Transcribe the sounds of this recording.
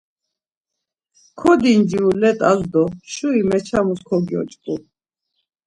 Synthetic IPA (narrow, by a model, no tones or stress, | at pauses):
kʰɔd̪ind͡ʒiulɛt̪ʼazd̪ɔʃuimɛt͡ʃʰamuskʰɔɡiɔ̰t͡ʃʼkʼu